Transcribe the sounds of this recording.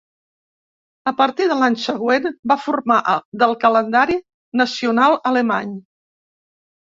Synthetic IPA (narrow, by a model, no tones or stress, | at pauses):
əpəɾt̪iðəlaɲsəɣwenbafurmaʔðəlˠkələnd̪aɾi | nəsiunalˠələma̰ɲ